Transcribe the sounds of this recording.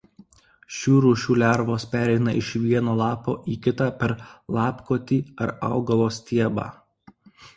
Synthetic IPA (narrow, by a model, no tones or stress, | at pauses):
ʃʲuːɾuːʃʲuːlʲæɾʋoːspʲæːɾʲɛɪnɐʔɪʃʋʲiɛnoːlˠɑːpoːʔiːkʲɪt̪ɑːpʲɛɾlˠɑːpkoːt̪ʲiːɐɾɑ̰ˑʊɡɐʋoːsʲt̪ʲiɛbɑ̰ː